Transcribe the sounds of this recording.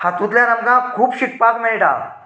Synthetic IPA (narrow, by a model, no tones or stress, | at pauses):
hat̪ũt̪ljanəmkãkʰuːpɕik̚pakmeɭʈa̰